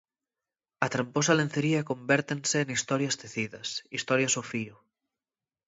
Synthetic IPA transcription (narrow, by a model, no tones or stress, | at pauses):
at̪ɾamposalen̟θeɾiakõmbeɾt̪enseːnist̪ɔɾjast̪eθiðɐsist̪ɔɾjasofio